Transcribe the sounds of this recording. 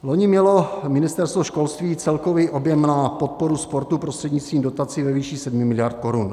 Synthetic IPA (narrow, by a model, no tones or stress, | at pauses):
lo̞ɲɪmɲɛlo̞mɪnɪst̪ɛɾst̪voʃko̞lst̪viːt͡sɛlko̞viʔo̞bjɛmnapo̞t̪̚po̞ɾuspoɾt̪upɾost̪r̥ɛdɲɪt͡st̪viːmdot̪at͡sɪvɛviʃiːsɛdmɪmɪlɪjaɾt̪̚ko̞ɾun